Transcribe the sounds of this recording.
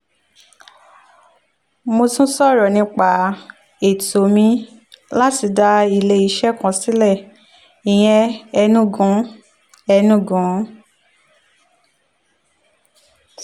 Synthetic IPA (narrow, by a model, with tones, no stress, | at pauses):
mo˧tũ˦sɔ˦˨ɾɔ˨nĩ˧k͡pa˨ | e˨to˨˦mĩ˧˦ | la˦ti˨˦da˧i˧˨le˧i˧ʃɛ˦kã˨˧si˨˦lɛ˦˨ | i˨j̃ɛ̃˧ɛ˧nũ˦ɡũ˨˦ | ɛ˧nũ˦˨ɡũ˨˦